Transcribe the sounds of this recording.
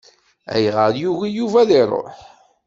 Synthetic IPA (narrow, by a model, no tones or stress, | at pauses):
æ̰jʁəɾjuʝijuvæðiɾˤːo̰ħ